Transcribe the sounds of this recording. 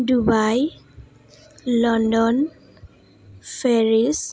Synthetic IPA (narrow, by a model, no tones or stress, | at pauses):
dubaj | lɔndɔn | pʰeɹis